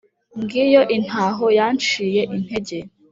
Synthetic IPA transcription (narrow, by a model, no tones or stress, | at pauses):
ŋɡiːjoʔin̥aːɦojant͡ʃijeʔin̥heɟe